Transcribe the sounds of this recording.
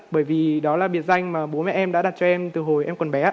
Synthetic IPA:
ɓəː˧˩jvi˨˩ɗɔ˨˦laː˨˩ɓi˨˩ət̚za˧jŋ̟maː˨˩ɓo˨˦nmɛ̰˧˩ʔɛ˧mɗa̰ː˧˥ɗa˨˩t̚t͡ɕɔ˧ʔɛ˧mt̪ɨ˨˩ɦo˨˩jʔɛ˧mkɔ˨˩nɓɛ˨˦aː˧

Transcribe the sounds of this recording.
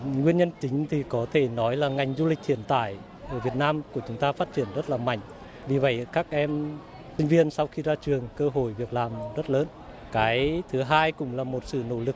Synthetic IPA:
ŋwi˧ənɲə˧nt͡ɕï˨˦ŋ̟t̪ʰi˨˩kɔ˨˦t̪ʰe˧˩nɔ˨˦jlaː˨˩ŋa˨˩jŋ̟zu˧lï˨˩k̟̚t̪ʰi˧˩ənt̪a̰ː˧˩˨j | ʔəː˧˩vi˨˩ət̚naː˧mku˧˩ət͡ɕʊ˨˦ŋ͡mt̪aː˧faː˦˥t̚t͡ɕi˧˩ənzə˦˥t̚laː˨˩ma̰˧˩˨jŋ̟ | vi˨˩və̰˧˨jkaː˦˥k̚ʔɛ˧m | sï˧ŋ̟vi˧ənsa˧wxi˧zaː˧t͡ɕɨ˨˩əŋkəː˧ɦo˧˨jvi˨˩ək̚laː˨˩mzə˦˥t̚ləː˨˦n | kaː˨˦jt̪ʰɨ˨˦ɦaː˧jkʊ̰˧˩ŋ͡mlaː˨˩mo˨˩t̚sɨ̰˧˨no̰˧˩lɨ˨˩k̚

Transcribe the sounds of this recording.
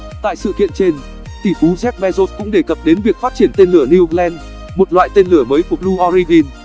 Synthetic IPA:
t̪a̰ː˧˨jsɨ̰˧˨kḭ˧˨ənt͡ɕe˧n | t̪i˧˩fu˨˦zɛ˦˥k̚ɓɛ˧zo˦˥t̚kʊ̰˧˥ŋ͡mɗe˧˩kə˨˩p̚ɗe˨˦nvi˨˩ək̚faː˦˥t̚t͡ɕi˧˩ənt̪e˧nlɨ˧˩əni˧lɛ˧n | mo˨˩t̚lwa̰ː˧˨jt̪e˧nlɨ˧˩əməː˨˦jku˧˩əlu˧ʔɔ˧ɾi˧vi˧n

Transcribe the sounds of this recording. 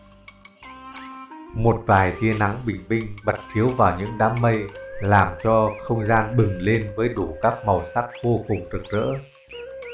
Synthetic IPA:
mo˨˩t̚vaː˨˩jt̪i˧əna˨˦ŋɓï˨˩ŋ̟ɓï˧ŋ̟ɓə˨˩t̚t͡ɕʰi˨˦əwvaː˨˩wɲɨ̰˧˥ŋɗaː˨˦mːə˧jlaː˨˩mt͡ɕɔ˧xə˧wŋ͡mzaː˧nɓɨ˨˩ŋle˧nvəː˨˦jɗu˧˩kaː˦˥k̚mə˨˩wsa˦˥k̚vo˧kʊ˨˩ŋ͡mzɨ˨˩k̚zə̰ː˧˥

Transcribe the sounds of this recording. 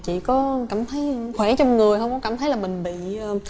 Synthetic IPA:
t͡ɕḭ˧˨kɔ˨˦kaː˧˩mt̪ʰə˨˦jxwɛ˧˩t͡ɕɔ˧wŋ͡mŋɨ˨˩əjɦə˧wŋ͡mkɔ˨˦kaː˧˩mt̪ʰə˨˦jlaː˨˩mï˨˩ŋ̟ɓḭ˧˨ə˨˩

